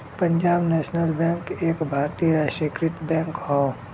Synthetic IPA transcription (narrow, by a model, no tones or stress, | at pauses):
pɐ̃ɲd͡ʒaːbnɛːʃnəlbɛ̃ːŋkeːkbʱaːɾt̪ijəɾaːʃʈɾəkɾɪt̪bɛ̃ːŋkɦoː